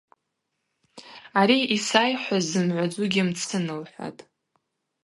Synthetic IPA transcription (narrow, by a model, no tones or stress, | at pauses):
aɾiisajħʷazɨmʕʷad͡zʷʊɡʲimt͡sʰɨnɨlħʷa̰tʼ